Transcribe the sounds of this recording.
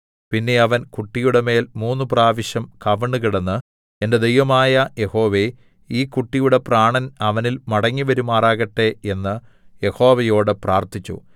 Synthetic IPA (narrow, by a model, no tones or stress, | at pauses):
pinːe̞ɐʋɐnkuʈːijuɽeme̞ːlmuːnːup̬raːʋiɕjɐmkɐʋɐɳɨkiɽɐnːɨ | e̞nde̞d̪ejʋɐmaːjɐje̞ho̞ːʋe̞ | iːkuʈːijuɽe̞praːɳɐnɐʋɐnilmɐɽɐŋːiʋɐɾumaːraːɣɐʈːe̞enːɨ | je̞ho̞ːʋɐjo̞ːɽɨpraːrt̪ʰit͡ɕːṵ